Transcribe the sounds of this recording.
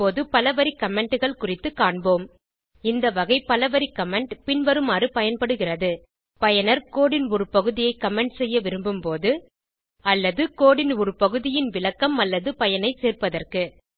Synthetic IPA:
oːðɯpɐlɐʋɐɾikɐmɛɳɖɯɣɐɭkʊrɪt̪ːɯkːaːɳboːm | ɪnd̪ɐʋɐɣɐɪpɐlɐʋɐɾikɐmɛɳɖpɪnʋɐɾɯmaːrɯpɐjɐnpɐɽɯɣɪrɐðɯ | pɐjɐnɐɾkoːɽɪnɔɾɯpɐɣɯðɪjɐɪkːɐmɛɳɖsɛjːɐʋɪɾɯmbɯmpoːðɯ | ɐlːɐðɯkoːɽɪnɔɾɯpɐɣɯðɪjɪnʋɪɭɐkːɐmɐlːɐðɯpɐjɐnɐɪseːrpɐðɐrkɯ

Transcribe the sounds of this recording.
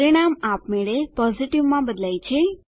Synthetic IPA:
ɾiɽ̃amapmeɭepɔziʈiʋmãbəd̪lajt͡ʃʰe

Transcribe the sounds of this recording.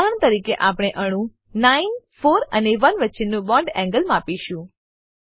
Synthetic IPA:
aɳ̃t̪əɾikeʔapɽ̃eʔəɽ̃ũ | nainfoɾə̰neʋənʋəːt͡ʃenːũbɔ̃ɳɖɛ̃ŋɡəlmapiʃũ

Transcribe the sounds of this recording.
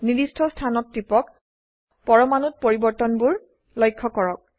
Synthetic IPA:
nidistʰɔstʰanɔtːipɔk | pɔɹɔmanut̚poɹibɔɹtɔnbuɹ | lɔjkʰːɔkɔɹɔk̚

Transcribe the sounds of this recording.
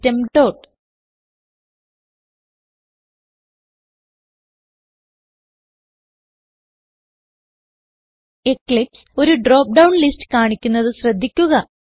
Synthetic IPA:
temʈo̞ːʈ | ekɭipso̞ɾuɖroːp̚ɖɐwɳlistɨ̥kaːɳikʲːunːɐðɨɕrɐd̪ʱːikʲːuɣɐ

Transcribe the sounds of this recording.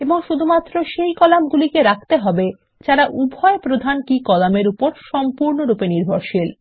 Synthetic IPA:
eboŋʃud̪ʱumat̪ːɾoʃejkɔlamɡulikeɾak̚ʰt̪eɦɔbe | t͡ɕaɾaʔubʱɔepɾod̪ʱankikɔlameɾupoɾʃɔmpuɾnoɾupeniɾbʱoɾʃil

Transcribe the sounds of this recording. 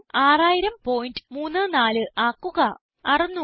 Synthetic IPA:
aːraːjiɾɐmpo̞ːjindɨmuːnːɨnaːlɨʔaːkːuɣɐ | ɐrɐnːu

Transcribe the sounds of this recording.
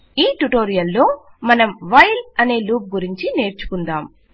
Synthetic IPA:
iːʈuʈo̞ːɾijɐlːo̞ː | mɐnɐmʋɐjlɐne̞ːluːp̚ɡuɾiɲt͡ʃine̞ːɾt͡ʃu̥kund̪aːm

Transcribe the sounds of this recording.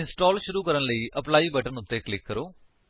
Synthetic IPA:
insʈoːlɕuɾuːkɐɾɐɳliʔɐpɭɐjbɐʈːɐnut̪ːeklikːɐɾu

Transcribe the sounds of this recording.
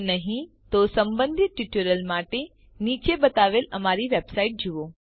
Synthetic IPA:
nɐɦĩ | t̪osɐ̃mbə̃nd̪ʱɪt̪̚ʈiʈuɾəlmaːʈe | niːt͡ɕebɐt̪aːʋelɐmaːɾiʋeːbsaːɪʈ̚d͡ʑʱiʋoː

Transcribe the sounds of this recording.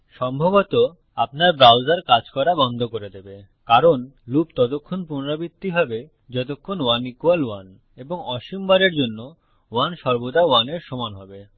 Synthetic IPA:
ʃɔmbʱobot̪o | apnaɾbɾawd͡ʑaɾkad͡ʑkɔɾabɔnd̪ʱokoɾed̪ebe | kaɾonlupt̪ɔt̪okʰːonpunoɾabit̪ːiɦɔbe | d͡ʑɔt̪̬okʰːonwanikualwan | eboŋɔʃimbaɾeɾd͡ʑonːo | wanʃɔɾbod̪awaneɾʃɔmanɦɔbe

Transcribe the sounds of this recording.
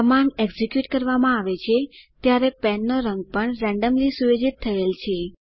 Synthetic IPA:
əmaneɡzikjuʈkəɾʋamãaʋet͡ʃʰet̪jaɾepɛnːoɾəŋɡ̚pəɳɾɛ̃ɳɖəmlisuʋed͡ʒit̪ʰːəelt͡ʃʰe

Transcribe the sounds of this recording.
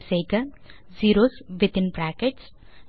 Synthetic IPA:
seːkə | ziːɾoːsʋɪt̪ɪ̃npɾæːkeʈs

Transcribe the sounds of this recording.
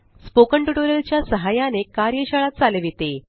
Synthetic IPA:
spokəɳʈuʈoɾəlt͡ɕjasəɦajanekaɾjəɕaɭat̪̚t͡saleʋit̪e

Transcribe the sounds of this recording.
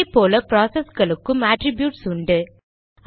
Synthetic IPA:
pːoːlɐpɾaːsɐsɡɐɭɯkːɯmaːʈɾɪbjuːʈsʊɳɖɯ

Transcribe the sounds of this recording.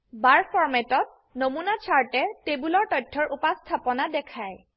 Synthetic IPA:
baɹfʰɔɹmɛtɔt̚ | nomunat͡ʃʰaɹtɛtebulɔɹtɔjtʰːɔɹʔupastʰapɔnadɛkʰaj

